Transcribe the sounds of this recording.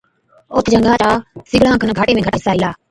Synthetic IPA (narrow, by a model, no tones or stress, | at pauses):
oːt̪d͡ʒəŋɡaːt͡ʃaːsɪɡɽãːkʰənɡʱaːʈeːmẽːɡəʈːɦɪsaːiːlaː